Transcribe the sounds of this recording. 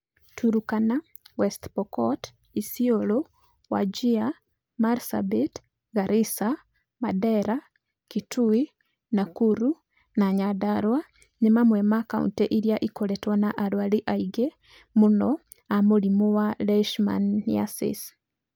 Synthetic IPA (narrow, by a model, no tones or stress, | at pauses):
tuɾukana | wɛstpɔkɔt | isiolo | wa̰d͡ʒia | maɾsa̰bit | ɡaɾʔisa | madɛɾa | kitui | nakuɾu | naɲadaɾwa | ɲimamwemakaṵntɛʔiɾjaʔikoletwanaʔaɾwaliʔaiɡe | munɔ | amulimowalɛʃma̰nːia̰sḭs